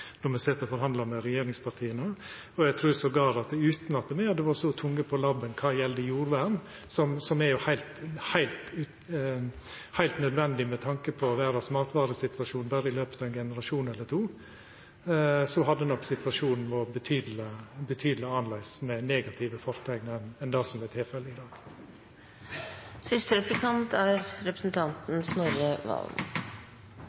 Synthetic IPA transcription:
nɔɾmɛseːt̪əɔfɔɾɦɑnd̪ɑmɛɾɛjeːɾɪŋspʰɑɾt̪ʰiːənə | ɔjæɡt̪ʰɾuːɾsɔɡɑːɾɑt̪ʉːt̪nɑt̪̚ɛmɛɑd̪ɛʋɑɾsɔt̪ʰʊŋːəpʰɔlɑbːənkʰɑːjɛld̪əjuːɾʋæːɳ | sɔmsɔmɛɾjʊhæɪlt̪hæɪlt̪ʉ | hæɪlt̪nœd̪ʋɛnd̪ɪmɛt̪ʰɑŋkəpʰɔʋæːɾɑsmɑːt̪ʋɑːɾəsɪt̪ʋɑʂuːnbɑːɾəɪløːpə̥t̪ʰɑːʋɛnɡɛnəɾɑʃuːnɛlːəɾt̪ʰuː | sɔɦɑd̪ːənɔkːsɪt̪ʋɑʂuːnn̩ʋɔbət̪ʰyːd̪l̩əbət̪ʰyːd̪l̩ɪɑnlæɪsmɛneːɡɑt̪ʰɪʋəfɔɾt̪ʰɛɡnəɛnɛnd̪ɑːsɔmlɛt̪ʰɪlfɛlːəɪd̪ɑːɡ̥ | sɪst̪əɾɛplɪkʰɑnt̪æɾɾɛpɾəsn̩t̪ʰɑnt̪n̩snɔɾjəʋɑ̰l̰

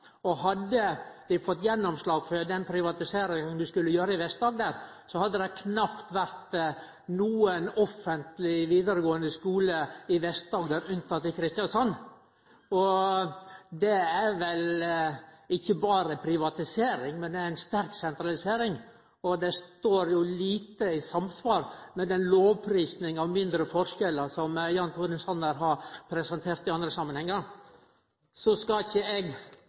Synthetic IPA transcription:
ɔɦɑd̪ːəd̪ɪfɔt̪ːjɛnːɔmslɑːɡfɔɾd̪ɛnpʰɾɪʋɑt̪ɪseːɾɪŋəsɔmd̪ʉskʉlːəjøːɾəɪʋɛst̪̚d̪ɑːɡ̚d̪æːɾ | sɔhɑd̪ːəd̪ɛkʰnɑpt̪ʋæɾt̪ | nuːənɔfːənt̪lɪʋiːd̪əɾəɡoːənd̪əskuːləɪʋɛst̪̚d̪ɑːɡd̪æːɾʉnt̪ʰɑt̪ːɪlkʰɾɪst̪ɪjɑnsɔn | ɔ | d̪ɛæɾʋɛl | ɪçːəbɑːɾəpʰɾɪʋɑt̪ɪseːɾɪŋmɛnd̪ɛæɪnst̪æɾksɛnt̪ɾɑlɪseːɾɪŋ | ɔd̪ɛst̪oːɾjʊliːt̪əɪsɑmsʋɑːɾmɛd̪ɛnloːʋpʰɾiːsnɪŋɑʋmɪnd̪ɾəfɔɾʂkɛləsɔmjɑnt̪ʰuːɾənsɔnəɾɦɑɾpʰɾɛsɛnt̪ʰeːɾt̪ɪɑnd̪ɾəsɑmːənhɛŋːə | sɔskɑɪçəɛɡ

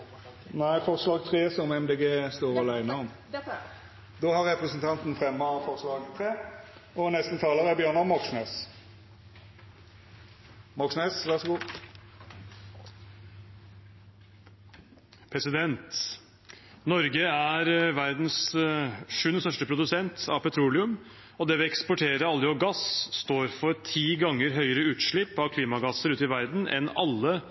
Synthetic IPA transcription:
næɪfɔʁslɑːɡt̪ʰʁeːsɔmɛmd̪eːɡeːst̪oːʁɑlæɪnəɔm | d̪oːhɑɾʁɛpɾɛsənt̪ʰɑnt̪nfʁɛmːəfɔʁslɑːɡt̪ʰɾeːɔnɛst̪ət̪ʰɑːləʁəæbjøːʁnɑmɔksneːs | mɔksneːsʋæʁsɡuː | pʰɾɛsɪd̪ɛnt̪ | nɔɾɡəæɾʋæɾd̪ns | ʂʉːnst̪œʂʈəpʰɾʊd̪ʉsɛnt̪ʰɑ̰ʋpɛt̪ʰɾuːlɪʉm | ɔd̪ɛʋɪlɛkspɔʈʰeːɾəɑlːəjɔɡɑsst̪oːɾfɔɾt̪ʰiːɡɑŋːəɾɦœʏəɾəʉːt̪ʂɭɪpːɑʋkʰliːmɑɡɑsːəɾʉːt̪ɪʋæɾd̪n̩ʔɛ̰nɑlːə

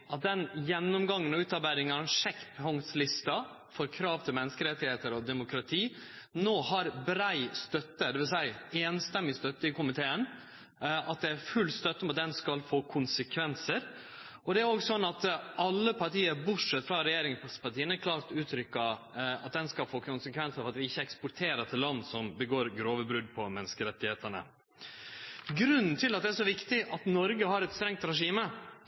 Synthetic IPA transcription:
ʔɑt̪̚d̪ɛnjɛnːʊmɡɑŋːənɔʉːt̪ɑbæɪɾɪŋɑɾɛnʂɛkːpʰhɔŋslɪst̪ɑ | fɔɾkʰɾɑːʋt̪ʰɪlmɛnːəskəɾɛt̪ːɪheːt̪əɾɔd̪ɛmʊkʰɾɑt̪ʰiːnoːhɑɾbɾæɪst̪œt̪ːəd̪ɛʋɪlsæɪeːnst̪ɛmːɪst̪œt̪ːəɪkʰʊmɪt̪ʰeːən | ʔɑt̪̚d̪ɛæɾfʉlːst̪œt̪ːəɔmɑt̪̚d̪ɛnskɑlfoːkʰʊnsəkʰʋɛnsəɾ | ʔɔd̪ɛæɾoːɡsɔnːɑt̪ʔɑlːəpʰɑʈiːəɾbʊʈʂɛt̪ːfɾɑɾɛjeːɾɪŋpɑʈiːənæɾkʰlɑːɾt̪ʉːt̪ʰɾʏkːɑ | ɑt̪̚d̪ɛnskɑlfoːkʰʊnsəkʰʋɛnsəɾfɔɾɑt̪ʋɪɪçːəɛkspʊʈ̪ʰeːɾəʈ̪ʰɪllːɑnːsɔmbəɡoːɾɡɾoːʋəbɾʉd̪pʰɔmɛnskəɾɛt̪ːɪheːt̪əɳə̰ | ɡɾʉnːn̩t̪ʰɪlːɑt̪̚d̪ɛæʂ̬ɔʋɪkt̪ɪʔɑt̪nɔɾɡəhɑɾɛt̪st̪ɾɛŋt̪ɾɛʂiːmə

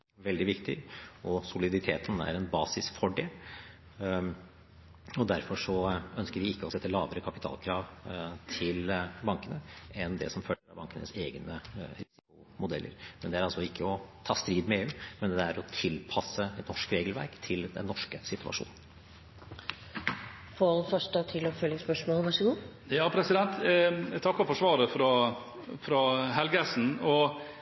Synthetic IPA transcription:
ʋɛld̪ɪʋɪkt̪ɪ̰ɔsʊlɪd̪ɪt̪ʰeːt̪næ̰ɾɛnbɑːsɪsfɔɖeːl | ɔd̪æɾfɔʂɔœnskəɾʋɪɪkːəɔsɛt̪ːəlɑːbəɾəkʰɑpɪt̪ʰɑ̰ːlkʰɾɑːʋt̪ʰɪlbɑŋkənəɛnd̪ɛ̰sɔmføəɾɑ̰bɑŋkənə̰seːɡnəɾɪsɪkʊ | mʊd̪ɛlːə̰ɾmɛnd̪ɛæɾɑlsɔɪkʰːəɔt̪ʰɑːst̪ɾiːd̪mɛeːʉːmɛnd̪ɛæɾɔt̪ʰɪlpʰɑsːəɛt̪nɔʂkɾeːɡəlʋæ̰ɾkt̪ʰɪld̪ɛ̰nːɔʂkəsɪt̪ʉɑ̰ʂṵːn | foːlfœʂʈət̪ʰɪlɔfœljəspœʂmoːlʋɑʂɔɡuː | jɑːpʰɾɛsɪd̪ɛnt̪t̪ʰɑkːɔfɔʂʋɑːɾəfɾɔ | fɾɔɦɛlɡæsn̩ɔ

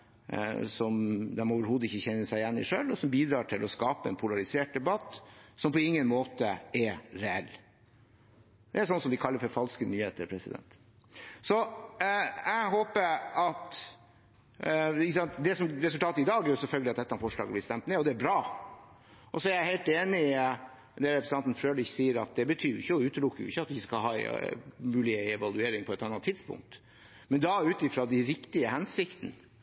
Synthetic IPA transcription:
sɔmd̪ɛnmɔɑːʋəɾhuːd̪əɪçːəçɛnːəsæɪjɛnːɪ̰ʂøːlɔsɔmbiːd̪ɾɑːʈʰɪlʔɔskɑːpəɛnpʰʊlɑɾɪseːʈ̚d̪ɛbɑt̪ːsɔmpʰɔɪŋːənmoːt̪əɛɾɾɛɛlː | d̪ɛæɾsɔnːəsɔmd̪ɪkʰɑlːəɾfɔɾfɑlskənyːheːt̪əɾpʰɾɛsɪd̪ɛ̰nt̪ | sɔ | æɪɦoːpəɾɑt̪ | ɪçəsɑnt̪d̪ɛsɔmɾɛsʉlt̪ɑːt̪əɪd̪ɑːɡæɾjʊsɛlfœlɡəlɪɑt̪̚d̪ɛt̪ːəɑfɔʂɭɑ̰ːɡəblɪst̪ɛmt̪mɛɔd̪ɛːɾbɾɑː | ʔɔsɔæɾjæɪheɪlt̪eːnɪ | d̪ɛɾɛpɾsɑnt̪n̩fɾøːlɪçsiːəɾɑ̰t̪̚d̪ɛbət̪ʰyːʊɪçːəɔʉːt̪lʊkːəjʊ̰ɪçːəɑt̪ʋɪskɑlɦɑ̰ːmʉːlɪəɛʋɑlˠʉeːɾɪŋpʰɔɛt̪ɑnːɑt̪ʰːɪd̪spʊ̰ŋk̚t̪ | mɛnd̪ɑʉːt̪ɪfɾɑd̪æɾɪkt̪ɪəhɛnsɪkt̪n

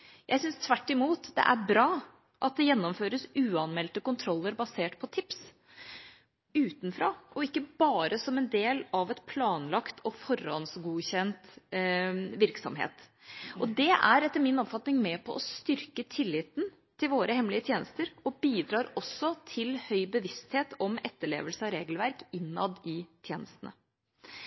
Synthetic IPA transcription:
jʔæ̰ɪsʏnst̪ʰʋæʈːɪmuːt̪d̪ɛ̰ʔæɾbɾɑː | ʔɑt̪̚d̪ɛjɛnːɔmføːɾəsʉːɑnmɛlt̪əkʊnt̪ʰɾɔlːəɾbɑseːʈpʰɔt̪ʰɪps | ʉːt̪nfɾɑ̰ːʔɔɪkːəbɑːɾəsɔmɛnd̪eːlɑʋɛt̪pʰlɑːnlɑkt̪ʰɔfɔɾɑ̰nsɡuːçɛnt̪ | ʋɪɾksɔ̰mɦḛːt̪ɔd̪ɛʔæɾɛt̪ːəɾmɪnɔpfɑt̪nɪŋmɛpʰɔʔɔst̪ʏɾkət̪ʰɪlːɪːt̪n | t̪ʰɪlʋoːɾəhɛmlɪət̪ʰjeːnəst̪əɾɔbiːd̪ɾɑːɾɔsːɔt̪ʰɪlhœʏbəʋɪst̪heːt̪ɔmɛt̪ːəɭḛːʋəlsəɑɾeːɡəlʋæɾkɪnːɑ̰d̪ɪt̪ʰjeːnəst̪ənə̰

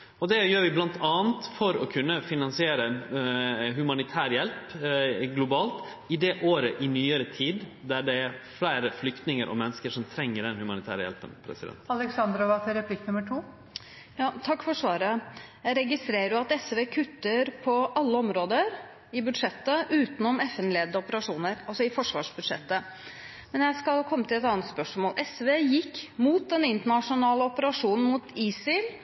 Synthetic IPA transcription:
ɔd̪ɛjøːɾʋɪblɑnt̪ʰɑːənt̪fɔɾɔkʰʉnːəfɪnɑnsɪeːɾə | ɦʉmɑnɪt̪ʰæːɾjɛlpɡlʊbɑːlt̪ | ɪd̪ɛʔoːɾəʔɪnyːəɾət̪ʰiːd̪d̪æɖɛæɾflæɪɾəflʏkt̪nɪŋəɾʔɔ̰mɛnːəskəʂɔmt̪ʰɾɛŋːəɖɛnhʉmɑnɪt̪ʰæ̰ːɾəjɛ̰lpənpʰɾɛ̰sɪd̪ɛ̰nt̪ɑlɛksɑnd̪ɾɔʋɑt̪ʰɛɾɛpʰlɪknʉmːəʈʰuː | jɑːt̪ʰɑkːfɔʂʋɑːɾəjæɪɾɛɡɪst̪ɾeːɾəɾjʊɑt̪ɛsʋeːkʰʉt̪ːəɾpʰɔʔɑlːəɔmɾoːd̪əɾ | ɪbʉd̪ʂɛt̪ːəʔʉːt̪nɔmɛfɛnleːd̪əɔpəɾɑʂuːnəɾɑlsɔɪfɔʂʋɑːʂbʉd̪ʂɛ̰t̪ːə | mɛnjæɪskɑlkʰɔmːət̪ʰɪlɛt̪ɑːnət̪spœʂmoːlʔɛsʋeːjɪkːmuːt̪̚d̪ɛnɪnt̪əɳɑʂʊnɑːləɔpəɾɑʂuːnn̩muːt̪iːsɪl

